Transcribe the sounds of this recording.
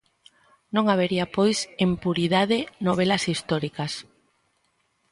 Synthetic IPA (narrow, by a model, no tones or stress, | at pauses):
nõŋaβ̞eɾiapojsempuɾiðaðenoβ̞elɐsist̪ɔɾikɐs